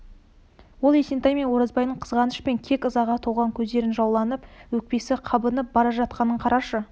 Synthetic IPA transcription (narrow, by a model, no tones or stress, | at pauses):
wo̞lˠesent̪ɑjmenwo̞ɾɑzbɑjnəɴqʰəzʁɑnəʃpe̞ŋkʲʰe̞kʲəzɑʁɑt̪ʰoʁɑŋkʲʰɵzd̪e̞ɾɪnʒɑwlˠɑnəpwɵk̚pe̞sɪqʰɑbənəp̚bɑɾɑʒɑt̪qɑnəɴqʰɑɾɑʃə